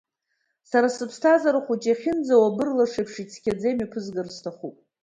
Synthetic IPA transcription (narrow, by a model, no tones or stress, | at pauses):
saɾasɨpʰstʰazaɾɨχʷut͡ʃʼaχʲɪnd͡zawabɨrlaʂepʰʂit͡sʰkʲʰad͡zejmapʰɨzɡɨrstʰaχupʼ